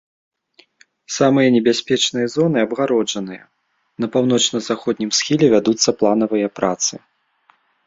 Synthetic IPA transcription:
samɨjɐnʲɛbʲasʲpʲɛt͡ʂnɨjɐzɔnɨɐbɣaɾɔd͡ʐɐnɨjɐ̰ | nɐpawn̪ɔt͡ʂnɐzaxɔd̪̚ʲnʲimsxʲilʲɛvʲad̪ut̪sːɐplˠanɐvɨjɐpɾat̪sɨ

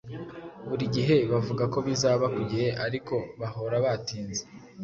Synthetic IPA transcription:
βuɾiɟiɦe̞βavuɡako̞βizaːβakuɟiɾeʔaɾiko̞βaho̞ɾaβatiːnze

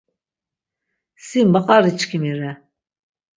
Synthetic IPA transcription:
simbaqʼaɾit͡ʃkʰimiɾɛ

